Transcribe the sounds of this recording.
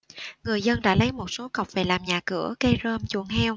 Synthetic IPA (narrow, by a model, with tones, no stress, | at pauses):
ŋɨ˨˩əjzə˧nɗa̰ː˧˥lə˨˦jmo˨˩t̚so˨˦kə˨˩wk͡p̚ve˨˩laː˨˩mɲaː˨˩kɨ̰˧˩˥əkə˧jzəː˧mt͡ɕṵ˧˩əŋhɛ˧w